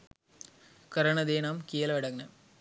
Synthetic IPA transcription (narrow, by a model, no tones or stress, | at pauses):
kɐɾɐɳɐðeːnaːmkijɐlɐʋɐɽɐɡɐnɐ